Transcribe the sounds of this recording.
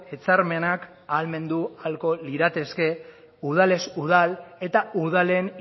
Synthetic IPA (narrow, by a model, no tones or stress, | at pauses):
e̞t͡saɾme̞nak | alme̞nd̪ualko̞liɾat̪e̞ske̞ | uð̞ale̞suð̞ale̞t̪auð̞ale̞n